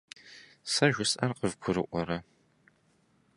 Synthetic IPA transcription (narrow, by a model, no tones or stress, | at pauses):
sɐʒʷʊsʔɐrqəvkʷʰʊɾɨʔʷɔɾɐ